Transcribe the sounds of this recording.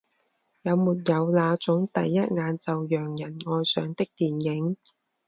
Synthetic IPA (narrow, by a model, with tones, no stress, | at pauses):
jɐ˨˧wmuː˨t̚jɐ˨˧wlaː˨˧t͡sʊ˨˥ŋt̪ɐ˨jːɐ˥t̚ŋaː˨˧nt͡sɐ˨wjœː˨˩ŋjɐ˨˩nŋɔː˧jsœː˨˧ŋt̪ɪ˥k̚t̪iː˨njɪ˨˥ŋ